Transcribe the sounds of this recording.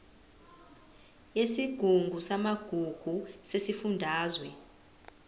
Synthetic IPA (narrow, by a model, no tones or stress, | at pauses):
jesiɡ̥ʱuŋɡʱusamaɡ̥ʱuɡ̥ʱusesifundʱaːzwɛ